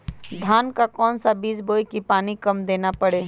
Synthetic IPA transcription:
d̪ʱaːnkakɔːnsabiːd͡ʒboːikipaːnikɐmd̪eːnapəɽeː

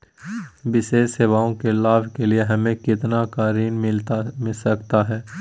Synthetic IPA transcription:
ʋɪʃeːʃseʋaːõkelaːʋkelieɦɐmẽkɪt̪nakaːɾiːnmɪlt̪amɪsɐkt̪aɦɛː

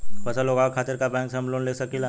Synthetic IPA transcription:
pəsəloːɡaːkʰaːt̪ɪɾkabɛ̃ːŋksɦɐmloːnleːksɐkila

